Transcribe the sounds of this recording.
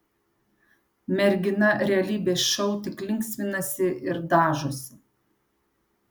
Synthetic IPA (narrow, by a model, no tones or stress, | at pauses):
mʲɛɾʲɡʲɪnɐɾʲɛɐlʲiːbʲeːsʃɔʊt̪ʲɪklʲɪŋʲksʲʋʲɪnɐsʲɪʔɪɾd̪ɑːʒʊsʲɪ